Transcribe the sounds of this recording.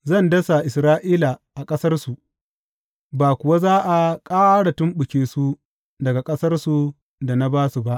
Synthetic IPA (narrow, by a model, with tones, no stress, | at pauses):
zɐ˦˨ndɐ˦sa˨ʔɪ˨sɾaː˦ʔiː˦la˨ʔa˨kʼɐ˦sɐ˦rsu˨ | baː˨kʷʊ˨wa˦zaː˦ʔa˨kʼaː˦ɽa˨tʊ˦mɓʊ˨kʲeː˨su˦ | dɐ˨ɡa˨kʼɐ˦sɐ˦rsu˨ | da˨na˦baː˦su˨ba˦ʔ